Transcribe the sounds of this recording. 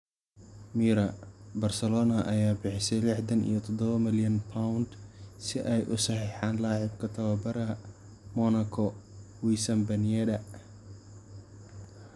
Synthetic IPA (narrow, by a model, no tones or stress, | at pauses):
miːɾɐbɐrsɐlɔːnɐʔɐjaːbɪħɪsɛjlɪħd̪ɐnḭjɔt̪ʰɔd̪ɔβɐmɪljɐnpʰaʊnd̪sɪʔɛjʔʊ̰sɐħiːħaːnlaːʕɪb̚kʰɐt̪ʰɐwɐbɐɾɐ | mɔnɐkʰɔ | wisɐmbɐnijɛd̪ɐ